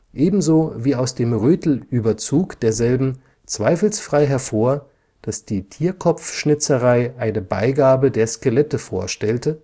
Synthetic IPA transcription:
ʔeːbm̩zoːviːaʊsd̥eːmʁøːtl̩ʔyːbɐt͡suːkd̥eːɐzɛlbm̩ | t͡sv̥aɪfl̩sfʁ̥aɪɦɛɐfoːɐ | d̥asd̥iːtʰiːɐkʰɔp͡fʃnɪt͡səʁaɪʔaɪnəba̰ɪɡaːbədeːɐskəlɛtəfo̰ːɐʃtɛltə

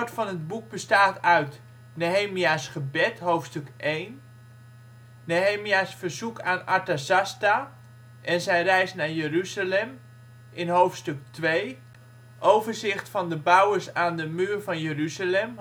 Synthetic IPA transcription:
ɹtfɑnɦəd̚buk̚bəstaːtœɥt | noɦejmiasχəbɛtɦowftstɵkʔejn | oɦejmijasfəɹzukaːnaɹtasasta | ʔɛnzɛjrɛjsnaːɹjəryzalɛm | ɪnɦowftstɵk̚tʋej | ʔowvəɹzɪχtfɑndəbʌwəɹsaːndəmyːrvɑnjəryzalɛm

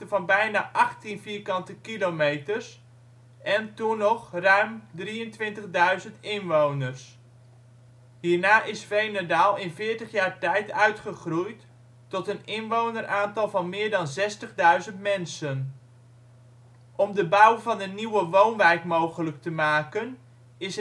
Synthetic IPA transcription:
əvɑnbɛjnaːʔɑχtinfiːɹkɑntəkilowmejtəɹs | ɛntunɔχrœɥmdriəntʋɪntəχdœɥzəntɪnʋownərs | ɦiːɹnaːʔɪsfejnedaːlˠɪnvɪːɹtəχjaːɹtɛjtœɥtχəχrujtː | ɔtənɪnʋownərʔaːntɑlˠvɑnmɪːɹdɑnzɛstəχdœɥzəntmɛnsən | ʔɔmdəbɑwvɑnənːiwəʋownʋɛjkmowχələk̚təmaːkən | ɪs

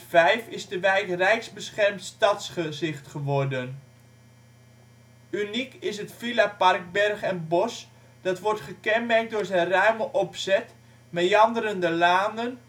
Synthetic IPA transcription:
fɛjfɪsdəʋɛjkrɛjkzbəsχɛrmtstɑtsχəzɪχtχəʋɔrdən | ynikɪsɦətfilapɑrɡ̚bɛrχɛnbɔs | d̥ɑtʋɔɹtχəkɛnmɛrk̚dʊːɹzɛnrœɥməʔɔpsɛt | mɛjɑndəɾəndəlaːndən

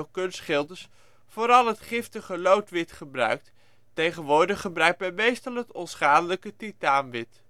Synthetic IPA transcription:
kɵnsχɪlˠdəɹs | foːɾɑlˠɦətχɪftəχəlowtʋɪtχəbrœ̰ɥk̚t | tejχənʋʊːɹdəχəbrœɥk̚tɛmejstəlˠɦətɔnsχaːdələkətitaːnʋɪt

